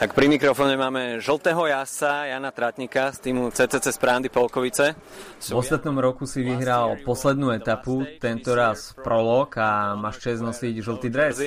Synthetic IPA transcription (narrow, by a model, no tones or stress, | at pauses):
t̪akpɾimikɾɔfɔːɲɛmaːmɛʒl̩t̪ɛːɦɔjasajaːnat̪ɾat̪ɲikast̪iːmut͡sɛːt͡sɛːt͡sɛspɾaːnd̪ipɔlkɔʋit͡sɛ | vɔst̪at̪nɔmɾɔkusiʋiɦɾalpɔslɛd̪nuːɛt̪aput̪ɛnt̪ɔɾaspɾɔlɔkamaʃt͡ʃɛznɔsiɟʒl̩ˠt̪iːd̪ɾɛs